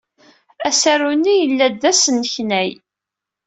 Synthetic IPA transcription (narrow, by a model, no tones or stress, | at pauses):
æsæɾunːijəlːæd̪ːæsənːəçnæj